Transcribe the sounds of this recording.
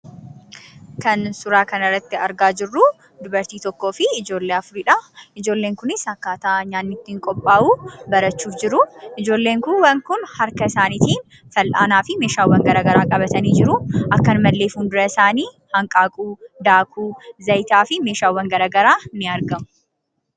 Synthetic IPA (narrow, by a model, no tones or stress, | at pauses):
kɐnsʊɾaːkɐnɐrːɐt̪ːɪɐɾɡaːd͡ʒɪrːʊ | d̪ʊbɐɾt̪iːt̪ɔkːo̞ːfɪːd͡ʒo̞ːlːeːɐfʊɾiːᶑɐɪd͡ʒo̞ːlːe̞ːŋkʊnɪsɐkːaːt̪aːɲaːnːɪt̪ːɪɪŋkʼɔpʼːaːʔuːbɐɾɐt͡ʃːuːfd͡ʒɪɾʊʔɪd͡ʒo̞ːlːe̞ːŋkʊnwɐŋkʊnhɐɾkɐɪsaːnit̪iːn | fɐlʔa̰ːnaːfɪme̞ːʃaːwːɐŋɡɐɾaːɡɐɾaːkʼɐbɐt̪ɐniːd͡ʒɪɾʊʔɐkːɐnmɐlːeːfuːnd̪ʊɾɐɪsaːniː | hɐŋkʼaːkʼuːd̪aːkʰuːzɐjt̪aːfɪme̞ːʃaːwːɐŋɡɐɾaːɡɐɾaːnːɪɐɾɡɐmʊ